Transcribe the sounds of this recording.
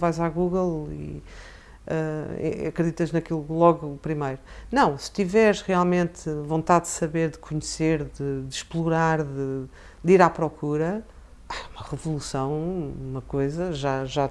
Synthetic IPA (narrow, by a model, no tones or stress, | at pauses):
vajzaɣuɣlˠḭ | ɛ̰ɐkɾɨðit̪ɐʒnɐkilˠulˠɔɣupɾimɐjɾunɐ̃w̃sɨ̥t̪ivɛɾʃʁialˠmẽnt̪võnt̪aðd̪ɨsɐβeɾðɨkʰuɲseɾðɨd̪ɨʃplˠuɾaɾðɨ | d̪iɾapɾɔkʰuɾɐ | aumɐʁɨvulˠusɐ̃w̃umɐkojzɐʒaʒa